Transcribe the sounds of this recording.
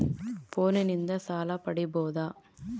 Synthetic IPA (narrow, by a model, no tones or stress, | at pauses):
poːnɯnɪnd̪ɐsaːlaːpɐɽiboːðaː